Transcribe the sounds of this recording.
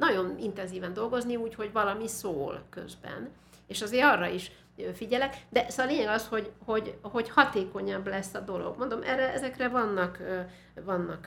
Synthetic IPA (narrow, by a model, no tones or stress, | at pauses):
nɒɟo̞nint̪ɛnziːvɛnd̪o̞lɡo̞zniuːcho̞ɟvɒlɒmisoːlkø̞̰zbɛ̰n | eːʃɒzeːɾɒrːɒiʃ | øfiɟɛlɛkd̪ɛsleːɲɛɡɒsho̞ɟho̞ɟho̞ɟhɒt̪eːko̞ɲɒblɛsːɒd̪o̞lo̞̰ɡmo̞nd̪o̞mʔɛ̰rːɛʔɛzɛkrɛvɒnːɒk | vɒnːɒk